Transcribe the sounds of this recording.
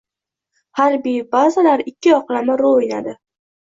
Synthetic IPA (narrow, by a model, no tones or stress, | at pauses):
haɾbijbazalaɾɪkʲʰːɪɒqlamaɾojnad̪ɪ